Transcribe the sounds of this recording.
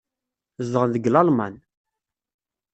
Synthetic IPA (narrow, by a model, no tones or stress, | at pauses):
zəʁəðəɡlɑlma̰n